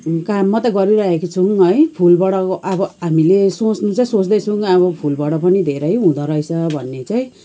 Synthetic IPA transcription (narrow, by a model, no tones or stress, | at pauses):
kamːʌt̪ʌɡʌɾiɾʌɦekot͡sʰuŋɦʌjpʰulbaɽʌʔʌbʌɦamilesot͡snut͡saĩsot͡sd̪ʌjt͡sʰuŋʌβʌpʰulbaɽʌpʌnid̪ʱeɾʌjɦũd̪ʌɾʌjt͡sʰʌbʱʌnːet͡saĩ